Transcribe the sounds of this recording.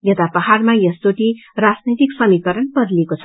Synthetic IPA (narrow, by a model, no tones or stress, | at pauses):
jʌt̪apʌɦarmajʌst͡soʈirad͡znit̪iksʌmikʌɾʌnpʌrlekot͡sʰʌ̥